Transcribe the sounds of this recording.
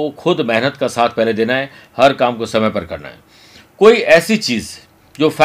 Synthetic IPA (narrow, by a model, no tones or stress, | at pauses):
oxʊd̪mɛɦnət̪kasaːt̪ʰpɛɦled̪eːnaɦɛhɐɾkaːmkosɐməjpɐɾkɐɾna̰ɦɛ̰ː | koːiʔɛːsit͡ʃiːz | d͡ʒoːfɛ